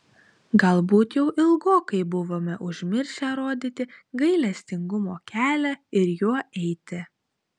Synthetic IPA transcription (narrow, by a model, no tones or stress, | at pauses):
ɡɐlˠbuːt̪jɛʊʔɪlˠɡoːkɐɪbʊʋoːmʲɛʔʊʒʲmʲɪɾʲʃʲɛɾoːd̪ʲiːt̪ʲɪɡɐɪlʲɛsʲt̪ʲɪŋɡʊmoːkʲʰæːlʲɛɪɾjuɔʔɛɪt̪ʲɪ